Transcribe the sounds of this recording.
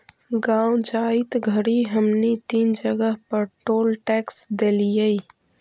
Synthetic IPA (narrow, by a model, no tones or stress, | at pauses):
ɡãːwd͡ʒaːit̪ɡʱəɽiɦəmnit̪iːnd͡ʒəɡəɦpəɾʈoːlʈɛːksd̪eːlijəi